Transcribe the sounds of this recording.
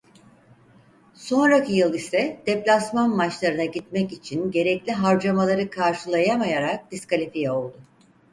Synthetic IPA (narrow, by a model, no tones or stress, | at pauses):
so̞nɾacʰijɯlˠisɛd̪̥ɛplʲasmanmat͡ʃlˠaɾɯnaɟit̪mɛcit͡ʃʰinɟe̞ɾɛclʲiɦaɾd͡ʒamalˠaɾɯkʰaɾʃɯlˠajamajaɾak̚d̪̥iskalʲifijɛo̞lˠd̪ʊ